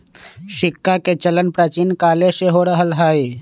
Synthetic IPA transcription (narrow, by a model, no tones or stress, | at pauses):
ʃɪkːaket͡ʃələnpɾat͡ʃiːnkaːleseɦoɾəɦəlɦaːe